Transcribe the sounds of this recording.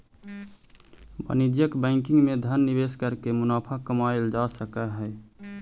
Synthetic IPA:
bə̰nid͡ʒjəkbə̃ɪ̃ŋkiŋɡmed̪ʱənːibeskəɾkemunapʰakəmaeld͡ʒasəkəɦɛ

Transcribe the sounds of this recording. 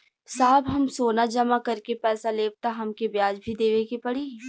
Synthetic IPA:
saːbɦɐmsoːnad͡ʒɐmakɐɾkepɛːsaleːb̚t̪aɦɐmkebjaːd͡ʒbʱid̪eːʋekipɐɽiː

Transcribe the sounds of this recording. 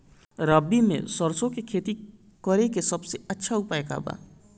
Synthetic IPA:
ɾəbːimḛ̃səɾsõkekʰeːt̪i | kəɾekesɐbseɐtːʃʰaʊpaːeka̰ːba̰ː

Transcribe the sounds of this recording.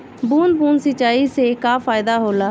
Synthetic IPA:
buːnbuːnsɪt͡ʃːaːisekafʰaːɪd̪aɦoːlaː

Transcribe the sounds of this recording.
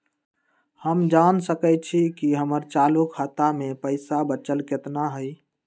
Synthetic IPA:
həmd͡ʒansəkɛt͡ʃʰikiɦəməɾt͡ʃalukʰat̪amepəɪsabət͡ʃəlket̪naɦəj

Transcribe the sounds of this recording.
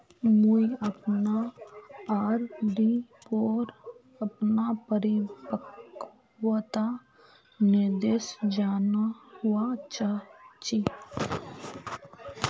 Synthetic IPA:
mujəpna | aːɾɖipoːɾ | əpnapəɾipək | wət̪a | ned̪esd͡ʒaːnahʊwat͡ʃat͡ʃi

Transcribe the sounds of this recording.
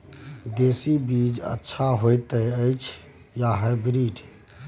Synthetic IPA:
d̪eːsibid͡ʒə̰tːʃʰaɦojt̪əəɪt͡ʃʰ | jaɦəbɾiːɖ

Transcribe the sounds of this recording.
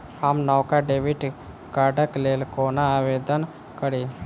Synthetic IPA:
amnɔwkaɖeʋiʈ | kaɖəklelkonaːʋed̪ən | kəɾi

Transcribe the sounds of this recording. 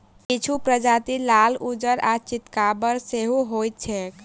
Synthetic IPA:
kit͡ʃʰupɾəd͡ʒat̪ilalud͡ʒəɾat͡ʃit̪kabəɾseɦuɦojt̪̚t͡ʃʰɛk

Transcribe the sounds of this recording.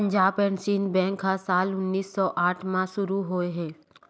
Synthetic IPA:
pə̃ɲd͡ʒaːbpɛ̃ːnsiːnbɛ̃ːŋkɦasaːlʊnːiːsːɔːʔaːʈʰmãʃʊɾuɦoːeɦɛ̃ː

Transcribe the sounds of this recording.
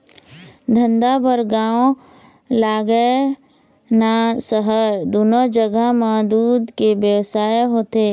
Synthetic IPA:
d̪ʱə̃nd̪abəɾɡaːõ | laːɡə | nasəɦəɾd̪ʊnod͡ʒəɡəmaːd̪uːd̪kebjəʋsaːjeɦoːt̪eː

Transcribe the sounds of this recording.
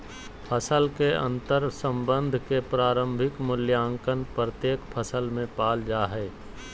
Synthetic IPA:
pʰəsəlkeə̰̃nt̪əɾsə̃mbə̃nd̪ʱkepɾaːɾə̃mbʱɪkmʊljaːŋkənpɾət̪jeːkpʰəsəlmẽpaːld͡ʒaːɦɛː

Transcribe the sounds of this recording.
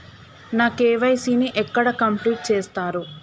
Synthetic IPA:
naːkeːʋɐjsiːniʔɛkːɐɽɐkɐmpliːʈ̚t͡ʃeːst̪aːɾu

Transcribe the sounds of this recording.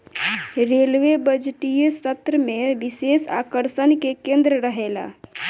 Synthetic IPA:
ɾelʋebəd͡ʒʈijesət̪ɾəmeʋisesa̰kəɾsənkekẽnd̪ɾəɾəɦela̰

